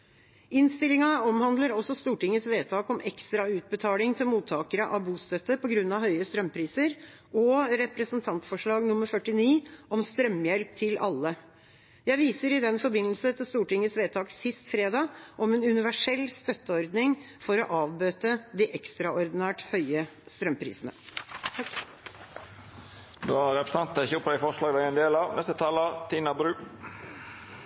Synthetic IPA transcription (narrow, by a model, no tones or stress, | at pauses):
ɪnst̪ɪlɪŋɑɔmhɑnd̪ləɾɔsɔst̪uːʈɪŋːəsʋeːt̪ʰɑːkɔmɛkst̪ɾɑʉːt̪̚bət̪ʰɑːlɪŋt̪ʰɪlmuːt̪ʰːɑːkəɾəʔɑʋbuːst̪œt̪ːəpʰɔɡɾʉnːɑʋhœʏəst̪ɾœmpʰɾiːsəɾ | ɔɾɛpɾəsənt̪ʰɑnt̪fɔʂɭɑːɡnʊmːəɾfœʈːɪniːɔmst̪ɾœmːjɛlp̚t̪ʰɪlʔɑ̰lːə | jæɪʋiːsəɾɪd̪ɛnfɔɾbɪnːəlsət̪ʰɪlst̪uːʈɪŋːəsʋeːt̪ʰɑːksɪst̪fɾeːd̪ɑːʔɔmɛnʉnɪʋæʂɛlːst̪œt̪ːəɔɾd̪nɪŋ | fɔɾɔʔɑːʋbøːt̪əd̪ɪʔɛkst̪ɾɑɔɾd̪ɪnæːʈhœʏəst̪ɾœmpʰɾḭːsənə̰ | d̪oːæɾɛpɾəsnɑnt̪ɪçəʊpʰːd̪æɪfɔʂɭɑːɡd̪æɛnd̪eːlɑʋnɛst̪ət̪ʰɑːlət̪ʰiːnɑbɾʉː